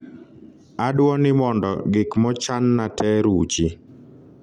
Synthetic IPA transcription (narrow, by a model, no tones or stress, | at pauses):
adwɔnɪmɔndɔ̰ɡɪkmɔt͡ʃanːatʰɛɾut͡ʃi